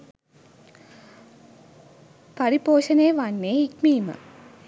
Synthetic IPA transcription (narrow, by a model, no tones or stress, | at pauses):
pɐɾipoːɕɐneːʋanːeikmiːmɨ̰